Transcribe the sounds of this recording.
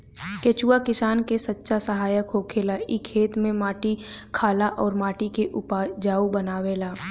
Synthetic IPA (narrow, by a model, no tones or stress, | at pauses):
keːt͡ʃuːakɪsaːnkesɐtːʃasəɦaːjəkɦoːkʰeːlaʔɪkʰːeːt̪mẽmaːʈikʰaːlaʔɔːɾmaːʈikeʔʊpad͡ʒaːubənaːʋeːlaː